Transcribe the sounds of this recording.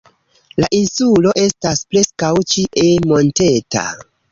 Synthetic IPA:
laʔinsulo̞ʔe̞staspɾe̞skawt͡ʃiʔemo̞nte̞ta̰

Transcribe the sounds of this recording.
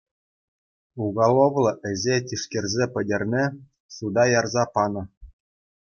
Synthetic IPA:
uɡɑlˠoʋlˠɤ̆ʔɘ̆ʑʲetʲiʂkʲerʲzʲepʲɘ̆dʲĕrʲnʲe | sud̪ɑjɑrzɑpɑnɤ̆

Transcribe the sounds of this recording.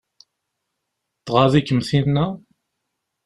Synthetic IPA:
θʁaðikːəmθinnæ

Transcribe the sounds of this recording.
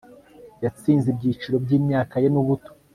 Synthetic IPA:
jat͡siːnzib̚ɟiːt͡ʃiɾo̞bɟiːmɲaːkajenuβuto̥

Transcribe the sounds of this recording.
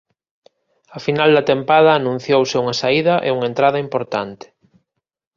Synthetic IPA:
ɐfinald̪ɐt̪empaðɐːnũn̟θjowsɪuŋɐsaiðɐʔḛuŋɐent̪ɾaðɐimpoɾt̪ant̪ɪ̥

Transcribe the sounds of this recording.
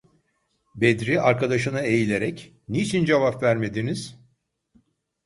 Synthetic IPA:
bed̪ɾiaɾkad̪aʃɯnɯe̞jilʲeɾɛc | nit͡ʃʰind͡ʒevapvæɾme̞d̪iniz̥

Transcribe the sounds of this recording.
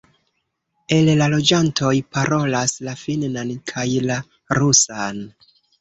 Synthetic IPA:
e̞llalo̞d͡ʒantʰo̞jpaɾʔo̞laslafinnankʰajla | ɾusan

